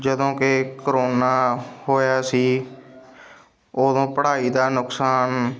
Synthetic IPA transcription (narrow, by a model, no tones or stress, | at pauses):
d͡ʒəd̪õːkɪkɾoːnaːhoːjaːsiː | oːd̪õːpəɽaːiːd̪aːnʊksaːn